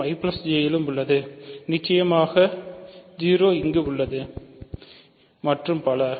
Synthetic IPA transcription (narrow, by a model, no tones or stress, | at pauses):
ɐɪplɐsd͡ʒeːjɪlɯmʊɭːɐðɯnɪt͡ʃːɐjɐmaːɣɐd͡ʒiːɾoːɪŋɡeʊɭːɐðɯ | mɐʈrɯmpɐlɐ